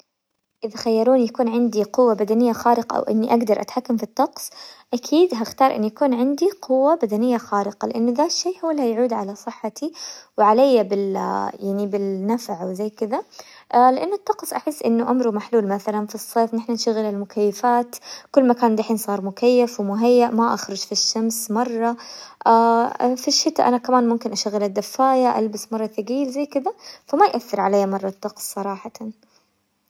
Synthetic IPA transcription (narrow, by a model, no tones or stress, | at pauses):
ʔɪðaxajːɑɾˤuːnjakuːnʕɪnd̪iqʊwːabad̪anɪjːaxɑːɾɪqɑ̰ʔa̰wʔɪ̰nːiʔaɡd̪ɑɾˤʔa̰t̪ħakːamfit̪ˤːɑqsˤʔakʰiːd̪ɦaxt̪ɑːɾˤʔɪ̰nːujakuːnʕɪnd̪iqʰʊwːabad̪anɪjːaxɑːɾɪqɑlɪʔanːʊðaːʃːeːʔhuwːalːhajʕuːd̪ʕalasˤɨħːat̪ʰiwʕalajːabɪljaʕnibɪlnːafʕwzajːkɪðaʔlɪʔanːʊt̪ːɑqsˤʔaħɪsːʔɪnːʊʔamɾumaħluːlmaθalanfisˤːeːfnɪħnanʃaɣɪlɪlmʊkajːafaːt̪kʊlːmakaːnd̪aħiːnsˤɑːɾˤmʊkajːafwɪmʊɦajːaʔmaʔaxɾˤʊd͡ʒfiʃːamsmɑrˤːɑʔaːfiʃːɪt̪a̰ʔanakamaːnmʊmkɪnʔaʃaɣːɪlad̪ːafːaːjaʔa̰lbɪsmɑrˤːɑθaɡiːlzajːkɪd̪afamajʔaθːɪɾʕalajːamɑrˤːɑt̪ːɑqsˤːɑɾˤɑːħɑt̪an